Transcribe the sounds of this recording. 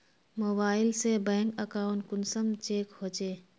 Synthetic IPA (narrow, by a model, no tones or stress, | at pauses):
moːbaːɪlsebɛ̃ːŋkəkaːʊɳʈ̚kʊnsəmt͡ʃeːkhoːt͡ʃeː